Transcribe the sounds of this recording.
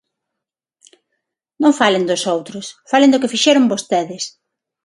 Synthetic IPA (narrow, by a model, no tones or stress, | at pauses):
nõŋfalend̪ʊsowt̪ɾʊsfalend̪ʊkɪfiʃɛɾʊŋbost̪eðɪs